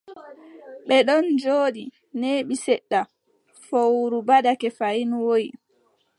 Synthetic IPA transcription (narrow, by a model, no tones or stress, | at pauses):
ɓɛɗɔnd͡ʒoːɗi | neɓisɛɗːa | fowɾubadakɛfainuwoi